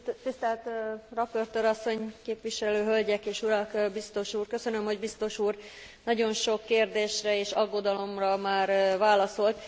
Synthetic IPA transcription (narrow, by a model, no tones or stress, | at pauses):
t̪ist̪ɛlt̪rɒpørt̪øɾɒsːo̞ɲkeːpʋiʃɛløːɦølɟɛkeːʃuɾɒkbist̪o̞ʃuːrkø̞sø̞nømho̞ɟbist̪o̞ʃuːr | nɒɟo̞nʃo̞kːeːrd̪eːʃrɛeːʃɒɡːo̞d̪ɒlo̞mrɒmaːrvaːlɒso̞lt̪